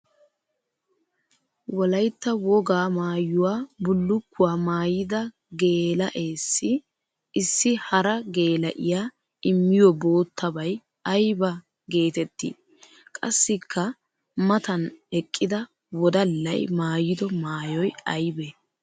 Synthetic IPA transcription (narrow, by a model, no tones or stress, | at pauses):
wɔlɐjt̪ːɐwɔɡaːmaːjʊwaːbʊlːʊkːʊwaːmaːjɪd̪ɐ | ɡe̞ːlɐʔe̞ːsːɪ | ɪsːɪhɐɾɐɡe̞ːlɐʔɪjaː | ɪmːɪjɔbo̞ːt̪ʰːɐbɐj | ɐjbɐ | ɡe̞ːt̪ɛt̪ːɪ̰ | kʼɐsːɪkʰːɐ | mɐt̪ɐnɛkʼːɪd̪ɐ | wɔd̪ɐlːɐ̰jmaːjɪd̪ɔmaːjɔjɐjbe